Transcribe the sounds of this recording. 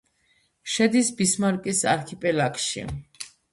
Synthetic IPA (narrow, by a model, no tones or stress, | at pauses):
ʃɛd̪isbismaɾkʼisa̰ɾkʰipʼɛlakʼʃḭ